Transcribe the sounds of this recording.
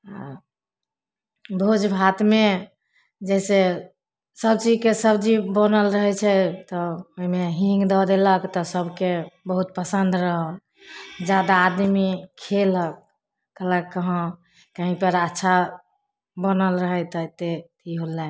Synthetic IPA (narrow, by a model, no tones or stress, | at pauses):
a | bʱod͡ʒbʱat̪me | d͡ʒɛse | səb̚t͡ʃid͡ʒkesəbt͡ʃibənəlɾəɦɛt͡ʃʰɛt̪ɔoɦimeɦĩŋɡd̪ɔd̪eləkt̪ɔsəbʱkebəɦut̪̚pəsənd̪ɾəɦə | d͡ʒad̪aːd̪mikʰelək̚ː | ələəɦə̃ | kəɦĩpəɾətːʃʰa | bənəlɾəɦɛt̪ət̪et̪ʰiɦolːɛ